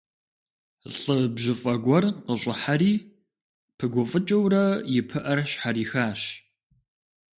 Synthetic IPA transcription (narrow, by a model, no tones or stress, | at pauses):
ɬʼɨbʑɪfʼɐɡʷɔrqəɕʼɪħaɾiː | pʰɨɡʷɔfʼɨt͡ʃʼɐwrɐjɪpʰɨʔɐrɕħaɾiːxaːɕ